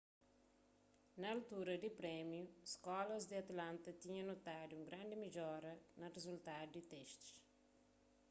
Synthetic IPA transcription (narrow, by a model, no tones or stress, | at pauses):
nɐːlt̪uɾɐd̪ipɾɛmjuskɔlɐzd̪iɐt̪ɐlãnt̪ɐt̪iɲɐ̃not̪ad̪uũŋɡɾãnd̪imiʎɔɾɐnɐrezult̪ad̪ud̪it̪ɛʃt̪u̥ʃ